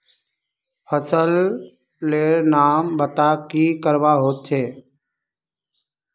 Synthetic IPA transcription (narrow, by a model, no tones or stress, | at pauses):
pʰəsəlː | eːɾnaːmbət̪aːkiːkəɾʋaːɦoːt̪̚t͡ʃʰeː